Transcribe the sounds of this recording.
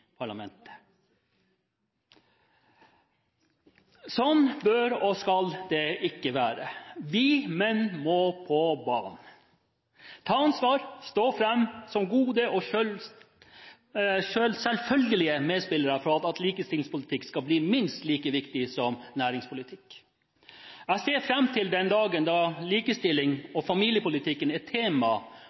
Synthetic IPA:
pʰɑɭɑmɛ̰nt̪ə̥ | sɔnbœɾɔskɑld̪ɛʔɪkːəʋæːɾəʋɪmɛnmoːpʰɔbɑ̰ːn | t̪ʰɑːɑnsʋɑːɾst̪oːfɾɛmːsɔmɡuːd̪əʔɔø | ʃølsɛlfœlɡəlɪəmeːd̪spɪlːəɾəfɾɔɑt̪ɑt̪liːkəst̪ɪlɪŋspʊlɪt̪ʰɪkskɑbliːmɪnst̪liːkəʋɪkt̪ɪsɔmnæːɾɪŋspʊlɪt̪ʰɪkː | æseːɾfɾɛmt̪ʰɪld̪ɛnd̪ɑːɡənd̪ɑliːkəst̪ɪlːɪŋɔfɑmiːlɪjəpʊlɪt̪ʰɪkːənɛt̪ʰeːmɑ

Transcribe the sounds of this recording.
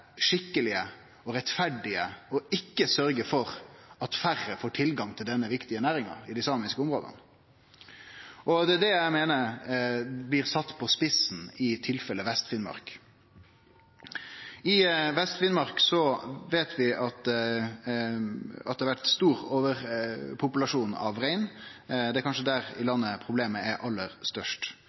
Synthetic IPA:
ʂɪkːəlɪə | ɔɾɛt̪fæɖɪəɔɪkːəsœɾɡəfɔɾɑt̪færːəfoːʈʰɪlɡɑŋt̪ʰɪld̪ɛnːəʋɪkt̪ɪənæːɾɪŋɑ̰ɪd̪ɪsɑːmɪskəʊmʁo̰ːd̪ə̰n | ʔɔd̪ɛd̪ɛjæɪmeːnə | blɪːɾsɑt̪ːpʰɔspɪsn̩ɪt̪ʰɪlfɛləʋɛst̪fɪnmɑ̰ɾk | ɪʋɛst̪fɪnmɑɾksɔʋeːt̪ʰʋɪʔɑt̪ | ɑ̰t̪d̪ɛhɑɾʋæʈst̪uːɾoːʋəɾpʰʊpʉlɑʂuːnɑ̰ʋʁæɪnd̪ɛæɾkɑnʂəd̪æɾɪ̰lɑnːəpʰɾʊbleːməæɾʔɑlːəʁst̪œʂʈ

